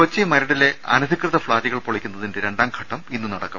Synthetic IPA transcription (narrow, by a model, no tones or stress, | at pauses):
ot͡ɕːimɐɾɐɽile̞ɐ̰nɐd̪ʱikrɨðɐfɭaːɾiɣɐɭpoɭikʲːunːɐðinde̞ɾe̞ɳɖaːmkʰɐʈːɐminːunɐɽɐkːɐm